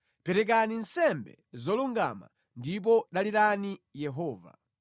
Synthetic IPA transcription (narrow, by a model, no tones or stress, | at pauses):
pɛɾɛk̬aninsɛmbɛ | zɔluŋɡa̰ma̰ | ndip̬ɔɗaliɾanijɛɦɔːva̰